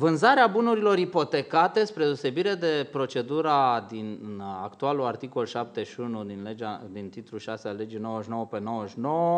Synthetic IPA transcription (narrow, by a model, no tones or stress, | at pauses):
vɨnzaɾeabunuɾilo̞ɾipo̞t̪e̞kat̪e̞spɾe̞d̪eose̞biɾe̞d̪e̞pɾo̞t͡ʃe̞d̪uɾad̪inakt̪ualuart̪iko̞lʃap̚t̪e̞ʃiunud̪inled͡ʒad̪int̪it̪ɾuʃasealːe̞d͡ʒino̞wəʃno̞wəpe̞no̞wəʃno̞wə